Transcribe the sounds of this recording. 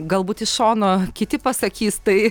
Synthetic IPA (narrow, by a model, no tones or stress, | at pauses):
ɡɐlˠbuːt̪ɪʃʃoːnoːkʲɪt̪ʲɪpɐsɐkʲiːst̪ɐɪ